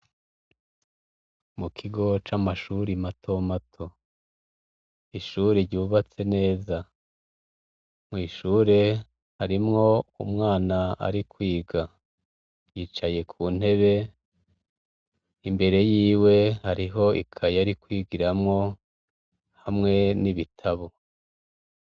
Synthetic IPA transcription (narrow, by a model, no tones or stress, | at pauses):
mukʰiɡo̞t͡ʃamaʃuɾimatʰo̞matʰo̞ | iʃuːɾeɾɟuːβat͡se̞ne̞ːza | mŋiːʃuːɾe̞ | haɾimŋo̞ṵmŋaːnaa̰ɾikwiːɡa | jiːt͡ʃaje̞kʰuːn̥he̞βe̞ | imbe̞ɾe̞jiːwe̞haɾiɦo̞ikʰajaɾikwiːɡiɾamŋo̞ | hamŋe̞niβitʰaβo̞